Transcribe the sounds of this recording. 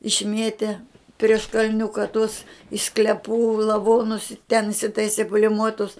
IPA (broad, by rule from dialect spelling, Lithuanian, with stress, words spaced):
ɪʃʲˈmʲiɛtʲeː pʲrʲiɛʃ kɐlʲˈnʲʊkɐ tʊs ɪʃ sklʲɛpuː lˠɐʋoːnʊs ɪ tʲɛn ɪsʲɪtɐɪsʲɪ pʊlʲɪmuɔtʊs